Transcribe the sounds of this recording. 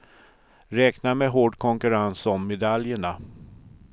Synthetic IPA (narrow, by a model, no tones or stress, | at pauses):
ɾɛːknamɛɦoːɖkʰɔŋkɵɾansɔmːɛd̪aljəɳa